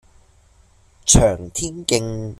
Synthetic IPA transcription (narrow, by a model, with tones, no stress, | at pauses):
t͡ʃʰœː˨˩ŋt̪ʰiː˥nkɪ˧ŋ